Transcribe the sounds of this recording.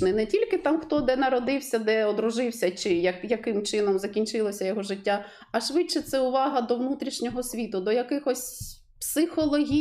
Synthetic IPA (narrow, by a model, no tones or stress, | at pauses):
nɪnɛtʲilʲkɪt̪ɑmxt̪ɔd̪ɛnɐɾɔd̪ɪwsʲɐd̪ɛɔd̪ɾʊʒɪwsʲɐt͡ʃɪjɐjɐkɪmt͡ʃɪnɔmzɐkʲinʲt͡ʃɪlˠɔsʲɐjɔɦɔʒɪtʲːa | ɐʃʋɪt͡ʃɛt̪sɛʊʋɑɦɐd̪ɔʋnut̪ɾʲiʃnʲɔɦɔsʲʋʲit̪ʊd̪ɔjɐkɪxɔsʲ | psɪxɔlˠɔɦʲi